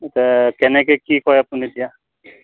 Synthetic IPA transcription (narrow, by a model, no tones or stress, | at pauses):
t̪ɛkɛnɛkekikɔjapunid̪ija